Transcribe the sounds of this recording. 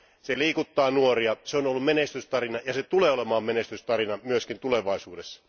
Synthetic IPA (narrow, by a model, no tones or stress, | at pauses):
seliːkut̪ːɑːnuoriɑseonolːumenest̪yst̪ɑrinɑjɑset̪uleːolemɑːmmenest̪yst̪ɑrinɑmyøskint̪uleʋɑisuːdesːɑ̥